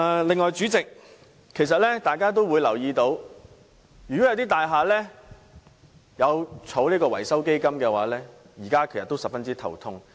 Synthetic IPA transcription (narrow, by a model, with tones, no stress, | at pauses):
lɪ˨˧ŋːɔː˨jt͡ʃyː˨˥t͡sɪ˨k̚ | kʰːe˨˩js̬ɐ˨t̚lɛː˥t̪aː˨jkaː˥t̪̬o˥wuː˨˧jlɐ˨˩wjiː˧t̪o˨˧˥w | jy˨kɔ˨˥jwt̪iː˥t̪aː˨jɦaː˨lɛː˥ | jɐ˨˧wt͡sʰo˨˥wliː˥kɔː˧wɐ˨˩jsɐ˥wke˥jkɐ˥mkɛː˧waː˨˥lɛː˥ | jiː˨˩kaː˥kʰe˨jɐ˨˩t̪ːo˥wsɐ˨p̚fɐ˥nt͡siː˥t̪ʰɐ̰˨˩wt̪ʰʊ˥ŋ